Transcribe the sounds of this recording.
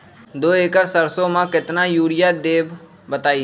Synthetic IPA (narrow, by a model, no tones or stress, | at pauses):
d̪oːeːkəɾsəɾsõːmãːkɪt̪naːjuːɽɪjaːd̪eːb | bət̪aːiː